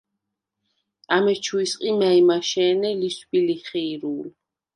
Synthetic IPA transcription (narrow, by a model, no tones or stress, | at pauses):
amɛt͡ʃʰuisqʼimaimaʃɛːnɛlisbʼiliχɛiɾuːl